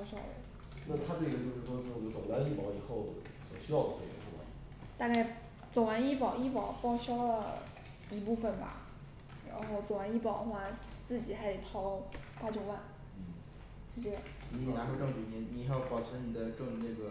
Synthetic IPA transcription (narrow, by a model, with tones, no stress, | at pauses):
ɕɑ˥˩ʊwḛ˧˩ɪ˩ | na˥˩t̪ʰa˥ʈ͡ʂɡə˩t͡ɕjo˥˧ʊʂɻ̩˥˩ʂwɔ˥t͡ɕo˧˥o˨˩wa˥i˥˩pɑ˧˥ʊi˨˩xo˥˩ʊd̪ə̰˩ | swɔ˨˩ɕy˥jɑ˥˩ʊd̪ə˩ʈ͡ʂe˥˩ɡə̰˧˩u˥˩wa̰˥˩ | t̪a˥˧ka˥˩ɪ | t͡so˨˩ʊwa˧˥ni˥˩pɑ˨˩ʊi˥˩pɑ˨˩ʊpɑ˥ʊɕɑ˥lə˨ | i˧˥pu˥˩fə˨˩nbɐ̰˩ | ɻa̰˧˥nxo˥˩ʊt͡so˨˩ʊwa˧˥ni˥˩pɑ˨˩ʊd̪ə˦xwa˥t͡sɹ̩˥˩t͡ɕi˨˩xa˧˥˨t̪ʰɑ˥ʊ˥pa˥t͡ɕjo˥ʊwa˥˩n̩˥˩ | t͡ɕɛ˥˩˨ni˧˥ɛ˨˩na˧˥xwe˥˧ʈ͡ʂɤ˥˧ŋt͡ɕy˧˥ni˧˥ni˨˥xjpɑ˨˩ʊt͡ɕʰɛ˧˥nni˨˩d̪ə˦ʈ͡ʂɤ˥˧ŋ˧ne˥˩ɡə˩